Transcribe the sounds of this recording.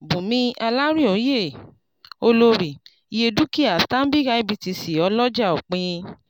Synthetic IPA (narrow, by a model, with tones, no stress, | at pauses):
bũ˨mĩ˧ʔa˧la˦ɾĩ˦õ˨˦je˦˨ | o˧lo˧ɾi˨ | i˧je˧du˦ki˦a˨stã˦bi˦ka˧˦i˦˨bi˧ti˧si˨ɔ˧lɔ˦d͡ʒa˦˨o˨k͡pĩ˧